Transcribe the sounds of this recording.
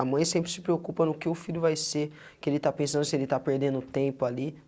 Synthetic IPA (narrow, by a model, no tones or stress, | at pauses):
amɐ̃j̃sẽmpɾɪsɪ̥pɾeokupɐnʊkɪʊfilʲjʊvajse | kɪelɪt̪apẽsɐ̃nd̪ʊsɪelɪt̪apeɾd̪ẽnd̪ʊt̪ẽpʊali